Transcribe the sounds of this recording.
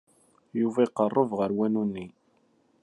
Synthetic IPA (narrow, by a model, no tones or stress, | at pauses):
juvæiqərˤːəvʁəɾwænunːi